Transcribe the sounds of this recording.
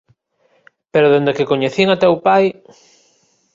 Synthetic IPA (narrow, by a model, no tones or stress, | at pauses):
peɾoðend̪ekekoɲeθiŋat̪ɛwpaj